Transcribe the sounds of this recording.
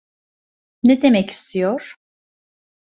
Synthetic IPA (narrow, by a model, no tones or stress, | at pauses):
ned̪emɛci̥st̪ʰijoɾ̥